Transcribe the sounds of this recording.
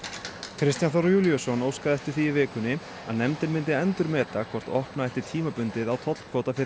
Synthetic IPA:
kʰɾɪst̪janθɔɾjuːljɔsɔnoːwskaðɛht̪ʏ̥ɾ̥θiɪvɪːkʏnːɪ | a̰ðnɛmt̪ɪnmɪnt̪̬ɪɛnt̪ʏɾmɛːt̪akʰvɔr̥t̪ɔhpnaɛht̪ɪ̥t̪ʰiːmapʏnt̪ɪðawt̪ʰɔt̪l̥kʰvɔːwt̪afɪɾɪ

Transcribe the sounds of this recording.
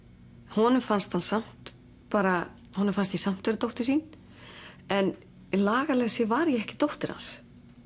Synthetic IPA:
hɔnʏmfanst̪hansam̥t̪ | paːɾa | hɔnʏmfanst̪isam̥t̪veɾɪt̪owht̪ɪ̥siːn | ɛn | laːɣalɛɣsɛvaɾjɛɛhcɪ̥t̪owht̪ɪɾ̥ha̰ns

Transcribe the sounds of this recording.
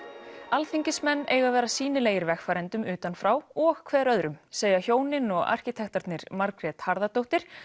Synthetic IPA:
alθiɲcɪsmɛnːeːjɣavɛːɾasiːnɪleːjɪɾvɛxfaːɾɛnt̪ʏmʏːt̪anfɾawɔɣkʰvɛːɾœðɾʏmseːjɣaçjoːwnɪnɔɣa̰r̥cɪt̪ʰɛxt̪aɾt̪nɪɾ̥maɾkɾɛːt̪haɾðat̪owht̪ɪɾ̥

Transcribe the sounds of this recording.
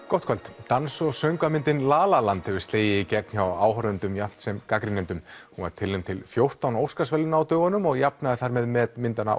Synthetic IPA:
kɔwht̪kʰalt̪t̪ansɔsœɥŋkvamɪnt̪ɪnlaːlalant̪hɛvɪɾ̥st̪eːjɪicɛk̚n̥çawaːwɦœɾʏnt̪ʏmjaft̪sɛmkakɾɪnɛnt̪ʏmhũa̰ɾt̪ʰɪlːemt̪ʰɪlfjowr̥t̪awnowskasvɛlːɪnaːwt̪œːɣanʏmɔɣjap̚naðɪθaɾmɛðmɛtmɪnt̪ana̰

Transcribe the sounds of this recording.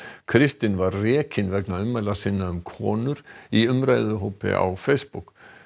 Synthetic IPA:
kʰɾɪst̪ɪnvaɾːɛːcʰɪnvɛknaʏmːɛlasɪnːaʏmkʰɔːnʏɾiʏmɾajðʏɦoːpɪ̰ʔa̰wfejspuk

